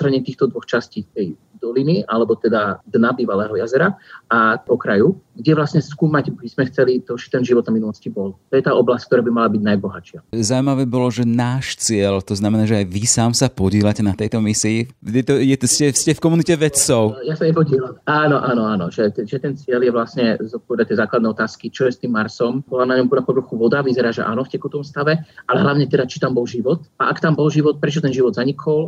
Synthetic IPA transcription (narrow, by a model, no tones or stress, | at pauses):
t̪ɾaɲɛt̪iːxt̪ɔd̪ʋɔxt͡ʃasciːt̪ɛj | d̪ɔliniʔalɛbɔt̪ɛd̪ad̪nabiːʋalɛːɦɔjazɛɾaaɔkɾajuɡɟɛʋlasɲɛskuːmaɟbizmɛxt͡sɛlit̪ɔt͡ʃɛ̥t̪ɛnʒiʋɔd̪aminulɔscibɔlt̪ɔjɛt̪aːʔɔblasckt̪ɔɾaːbimalabiɟnajbɔɦat͡ʃɪazaʊimaʋɛːbɔlɔʒɛnaːʃt͡sɪɛlt̪ɔznamɛnaːʒɛajʋisaːmsapɔɟɛːlacɛnat̪ɛjt̪ɔmisiːt̪ɛt̪ɔjɛscɛscɛfkɔmunicɛʋɛt̪t͡sɔʊjasajɛpɔɟiɛlamaːnɔʔanɔaːnɔ̰ʒɛt̪ɛʒɛt̪ɛnt͡sɪɛljɛʋlasɲɛzɔt̪̚pɔʋɛd̪act̪jɛzaːklad̪nɛɔt̪aːskit͡ʃɔjɛst̪iːmːaɾsɔmbɔlanaɲɔmpɔd̪apɔʋɾɔxuʋɔd̪aʋizɛɾaːʒɛ̰ʔa̰ːnɔfcɛkut̪ɔmst̪aʋɛalɛɦlaʊɲɛt̪ɛd̪at͡ʃi̥t̪ambɔlʒiʋɔt̪aʔakt̪ambɔlʒiʋɔt̪̚pɾɛt͡ʃɔt̪ɛnʒiʋɔd̪zaɲikʰɔl